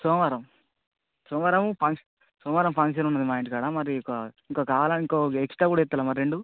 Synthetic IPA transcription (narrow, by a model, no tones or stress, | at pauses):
sɔːʋaɾɐm | sɔːʋaːɾɐmpʰɐŋk | sɔːmʋaːɾɐmpʰɐŋkʂ̬ɐnunːɐd̪imaːjɳʈikaːɽaːmɐɾikiŋkoːkaːʋalɐniŋkoːeksʈɾaːkuːɽaet̪ːɐlaːmɐɾːeɳɖu